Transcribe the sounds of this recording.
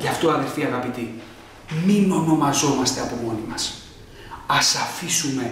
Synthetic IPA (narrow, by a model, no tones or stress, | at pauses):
ʝɐft̪oɐðeɾfiɐɣɐpit̪i | mino̞no̞mɐzo̞mɐst̪e̞ɐpo̞mo̞nimɐs | ɐsɐfisume̞